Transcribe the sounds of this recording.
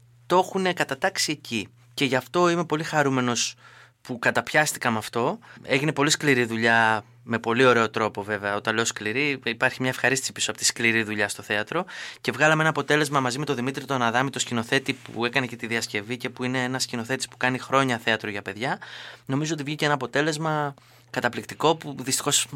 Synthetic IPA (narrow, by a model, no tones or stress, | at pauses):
t̪o̞xune̞kɐt̪ɐt̪ɐksie̞ci | ce̞ʝɐft̪o̞ime̞po̞lixɐɾume̞no̞s | pukɐt̪ɐpçɐst̪i̥kɐmɐft̪o̞e̞ʝine̞po̞liskliɾiðuʎɐ | me̞po̞lio̞ɾe̞o̞t̪ɾo̞po̞ve̞veɐot̪ɐnle̞oskliɾiipɐɾçimɲɐefxɐɾisisi̥pisopot̪i̥skliɾiðuʎɐst̪o̞θe̞ɐt̪ɾo̞ce̞vɣɐlɐmeenɐːpo̞t̪e̞le̞zmɐmɐzime̞t̪oðimit̪ɾit̪onɐðɐmit̪o̞scino̞θe̞t̪ipṵe̞kɐne̞cet̪iðiɐsce̞vice̞puine̞enɐscino̞θe̞t̪i̥spu̥kɐnixɾo̞ɲɐθe̞ɐt̪ɾoʝɐpe̞ðʝɐno̞mizoo̞t̪ivʝiceenɐːpo̞t̪e̞le̞zmɐ | kɐt̪ɐplikt̪iko̞puðist̪i̥xo̞s